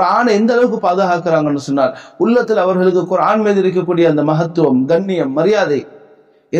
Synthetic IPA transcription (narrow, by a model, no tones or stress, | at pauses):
aːnɛnd̪ɐlɐʋɯkːɯpaːðɯɣaːkɪɾaːŋɡɐɛnːɯsɔnːaːlʊɭːɐt̪ːɪlɐʋɐɾɣɐɭɯkːɯkʊɾaːnmeːðɪɾɯk̬ːɐkːuːɽɪjɐɐnd̪ɐmɐɦɐt̪ːɯʋɐmɡɐɳːɪjɐmːɐɾɪjaːðɐɪ | ɛ